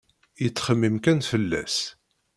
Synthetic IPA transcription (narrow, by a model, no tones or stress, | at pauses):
jət͡sːχəmːimkænfəlːæ̰s